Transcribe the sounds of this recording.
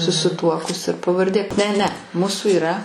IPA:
sʊsʲɪˈtuɔkʊs ɪr pɐʋɐrʲˈdʲeː nʲɛ nʲɛ ˈmuːsʊ ɪˈrɐ

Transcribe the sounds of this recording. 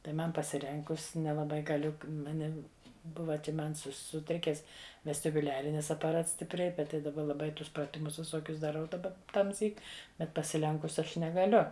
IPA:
tɐɪ ˈmɐn pɐsʲɪˈrʲɛŋkʊs nʲɛlˠɐˈbɐɪ ɡɐˈlʲʊ mɐˈnʲɪm ˈbʊʋɐ t͡ʃʲɛ ˈmɐn ˈsʊ sʊˈtʲrʲɪkʲɛs ʋʲɛsʲtʲɪbʊˈlʲæːrʲɪnʲɪs ɐpɐˈrɐts sʲtʲɪpʲˈrʲɛɪ ˈbʲɛt tɐɪ dɐˈbɐ lˠɐˈbɐɪ ˈtʊs prɐˈtʲɪmʊs ʋʲɪˈsoːkʲʊs dɐˈrɐʊ dɐˈbɐ tɐmʲˈsʲiːk ˈbʲɛt pɐsʲɪˈlʲɛŋkʊs ˈɐʃ nʲɛɡɐˈlʲʊ

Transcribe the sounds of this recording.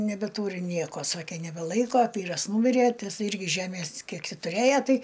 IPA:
nʲɛbʲɛˈtuːrʲɪ ˈnʲiɛkoː ˈsɑːkʲeː nʲɛbʲɛˈlˠɐɪkoː ˈʋʲiːrɐs ˈnuːmʲɪrʲeː tɐɪ ˈɪs ˈɪrʲɡʲɪ ˈʒʲæːmʲeːs ˈkʲiɛk ˈtʲiː tʊˈrʲeːjɛ ˈtɐɪ

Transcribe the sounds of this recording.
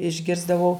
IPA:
ɪʒʲˈɡʲɪrzdɐʋɐʊ

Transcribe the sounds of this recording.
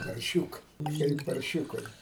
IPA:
pɐrʲˈʃʲuːkɜ kɐɪp pɐrʲˈʃʲuːkɐɪ

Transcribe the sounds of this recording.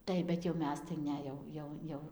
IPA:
ˈtɐɪp bʲɛt jɛʊ ˈmʲɛs tɐɪ ˈnʲɛ jɛʊ ˈjɛʊ ˈjɛʊ

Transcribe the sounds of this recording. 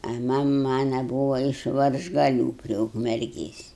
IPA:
ɐ ˈmɐm ˈmɑːnɐ ˈbuːʋɐ ɪʃ ʋɐrʒɡɐˈlʲuː pʲrʲiɛ ʊkmʲɛrʲˈɡʲeːsʲ

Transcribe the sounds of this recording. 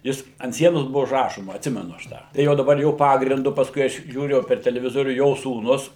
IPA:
ˈjɪs ɐnt ˈsʲiɛnoːs ˈbʊʋoː ʊʒˈrɑːʃoːmɐ ɐtʲˈsʲɪmʲɛnʊ ɐʃ ˈtɑː tɐɪ ˈjɛʊ dɐˈbɐr ˈjoː ˈpɑːɡrʲɪndʊ pɐsˈkʊɪ ˈɐʃ ʒʲuːˈrʲʊ jɛʊ pʲɛr tʲɛlʲɛʋʲɪˈzoːrʲuː ˈjoː suːˈnʊs

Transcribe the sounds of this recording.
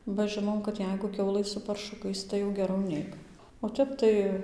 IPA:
bɐ ˈʒɨnoːm kɐt ˈjɛɪɡʊ ˈkʲɛʊlˠɘ sʊ pɐrˈʃʊkɐɪs ˌtɐɪ jɛʊ ɡʲɛˈrɐʊ ˈnʲɛɪk oː ˈtʲɛp tɐɪ

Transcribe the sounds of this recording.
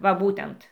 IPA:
ʋɐ ˈbuːtʲɛnt

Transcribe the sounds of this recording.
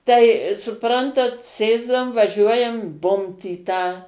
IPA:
tɐɪ sʊˈprɐntɐt ˈsʲeːzdɐʋʊm ʋɐˈʒʲuɔjɛm ˈbʊmt iː tɑː

